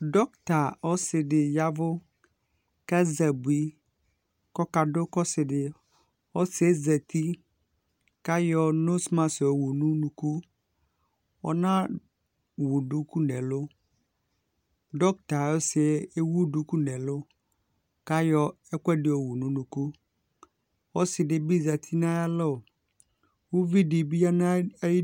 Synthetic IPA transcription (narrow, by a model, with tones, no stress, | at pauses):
dɔ˦kt̪a˨ɔ˦sɪ˨ɖɪ˨ja˦vʊ˦ | ka˦zɛ˨bu˨i˨ | kɔ˦ka˨dʊ˦kɔ˦sɪ˨dɪ˨ | ɔ˦sɪ˨e˦zɛ˨t̪i˦ | ka˦jɔ˦no˦smã˨so˨wu˨nũ˦nũ˨ku˦ | ɔ̰˦nã˦ | wu˨ɖu˦ku˦nɛ˨lʊ˦ | ɖɔ˦k̚t̪a˨ɔ˦sɪ˨˦e˦wu˦du˨ku˦nɛ˨lʊ˦ | ka˦jɔ˦ | ɛ˦kɛ˦dɪ˨wo˨wu˨nũ˦nũ˨ku˦ | wɔ˦sɪ˨dɪ˨bi˦za˨t̪ʰi˦nã˦ja˦lɔ˦˨ | wu˦vi˦di˨bi˦a˦na˦ji˦